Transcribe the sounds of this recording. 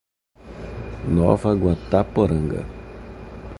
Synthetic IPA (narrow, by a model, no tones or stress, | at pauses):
nɔ̰vɐɡwat̪apoɾɐ̃ŋɡɐ̰